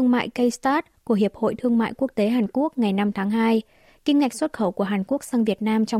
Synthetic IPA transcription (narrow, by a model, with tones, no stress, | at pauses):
əŋma̰ː˧˨jkə˧jst̪aː˦˥t̚ku˧˩əhi˨˩əp̚ho̰˧˨jt̪ʰɨ˧əŋma̰ː˧˨jku˦˥ək̚t̪e˨˦ɦaː˨˩nku˦˥ək̚ŋa˨˩jna˧mt̪ʰaː˨˦ŋɦaː˧j | kï˧ŋ̟ŋa˨˩k̟swə˦˥t̚xə˧˩wku˧˩əɦaː˨˩nku˦˥ək̚saː˧ŋvi˨˩ət̚naː˧mt͡ɕɔ˧w